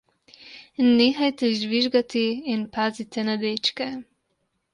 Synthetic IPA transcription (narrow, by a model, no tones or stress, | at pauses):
neːxajt̪ɛʒʋiʒɡat̪iːnpaːzit̪ɛnad̪eːt͡ʃkɛ